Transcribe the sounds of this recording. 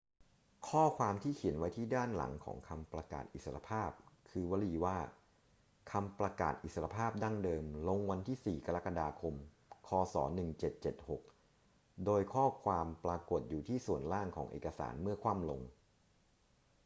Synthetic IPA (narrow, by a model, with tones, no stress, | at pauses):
kʰɔː˥˩kʰwaː˧mt̪ʰiː˥˩kʰi˨˩˦nwa˦˥jt̪ʰiː˥˩daː˥˩nla̰˩˦ŋkʰɔ̰ː˩˦ŋkʰa˧mpɾa˧ka̰ː˨˩t̪̚ʔi˨˩sa˧ʔa̰˧pʰaː˥˩p̚kʰɯː˧wa˧˥liː˧waː˥˩ | kʰa˧mpɾa˧ka̰ː˨˩t̪̚ʔi˨˩sa˧ɾa˧pʰaː˥˩p̚daː˥˩ŋdɤː˧mlo˧ŋwa˧nt̪ʰiː˥˩siː˨˩ka˧ɾa˦˥ka˧daː˧kʰo˧m | kʰɔː˧sɔ̰ː˩˦nɯ˨˩ŋt͡ɕe˨˩t̪̚t͡ɕe˨˩t̪̚ho˨˩k̚ | doː˧jkʰɔː˥˩kʰwaː˧mpɾaː˧ko˨˩t̪̚juː˨˩t̪ʰiː˥˩su˨˩ənlaː˥˩ŋkʰɔ̰ː˩˦ŋʔḛː˨˩ka˧sa̰ː˩˦nmɯ˥˩ɐkʰwaː˥˩mlo̰˧ŋ